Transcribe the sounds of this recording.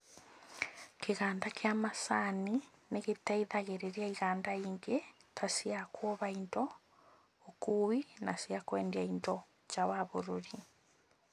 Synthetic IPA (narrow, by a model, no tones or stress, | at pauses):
keɣaːndakeamasanineɣetɛiðaɣeɾeɾjaiɣaːndaiːŋɡetʰasiakwɔβaindɔ | okuwinasiakwɛːndjaindɔ | t͡ʃawaβoɾoɾi